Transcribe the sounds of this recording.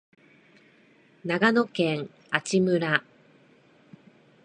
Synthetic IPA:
naɡano̞kẽŋ | at͡ɕimɯ̟ɾa

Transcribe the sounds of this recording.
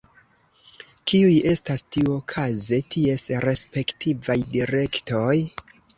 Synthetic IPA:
kiuje̞stastiuokʰaze̞tʰie̞sɾe̞spe̞ktʰivajdiɾe̞kto̞j

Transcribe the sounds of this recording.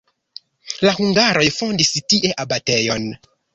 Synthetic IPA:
lahuŋɡaɾo̞jfondistiʔeʔabatejon

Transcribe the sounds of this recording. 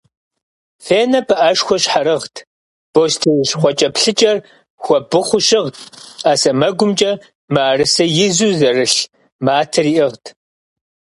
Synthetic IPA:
feːnɐpʰɨʔɐʃxʷɔɕħaɾɨʁtʰ | b̥ostʰiwɕχʷɔt͡ʃʼɐpɬɨt͡ʃʼɐr | xʷɔbɨχʷʊɕɪʁtʰaːsɐmɐɡʷʊmt͡ʃʼɐ | maːrɨsɐjɪzuːzɐrɨɬ | maːtʰɨriːʔɪʁtʰ

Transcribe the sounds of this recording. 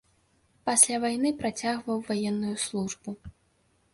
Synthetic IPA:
pasʲlʲavajn̪ɨpɾat͡sʲaɣvɐwvajɛnːujuslˠuʐbu

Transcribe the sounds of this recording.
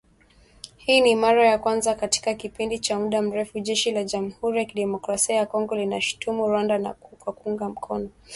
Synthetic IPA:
hiːnimaɾajakwanzakati̥kakipindit͡ʃamuɗam̩ɾɛfuʄɛʃilaʄam̩huɾijakiɗɛmɔkɾasiajakɔŋɡɔlinaʃu̥tumuɾwandanakwakuuŋɡam̩kʰɔnɔ

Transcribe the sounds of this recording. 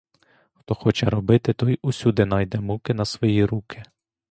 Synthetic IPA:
xt̪ɔxɔt͡ʃɛɾɔbɪt̪ɪt̪ɔjusʲud̪ɪnɑjd̪ɛmukɪnɐsʋɔjiɾukɪ

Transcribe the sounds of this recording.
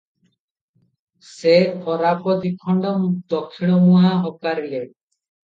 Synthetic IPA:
sepʰɔɾapɔd̪ikʰɔɳɖɔmd̪ɔkʰːiɽ̃ɔmuɦaɦɔkaɾile

